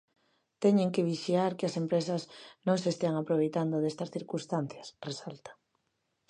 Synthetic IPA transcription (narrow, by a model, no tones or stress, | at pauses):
t̪ɛɲeŋkeβ̞iʃjaɾkɪasempɾesɐznõŋsest̪eaŋapɾoβejt̪and̪oðest̪ɐsθiɾkũnst̪an̟θjɐsresalt̪ḁ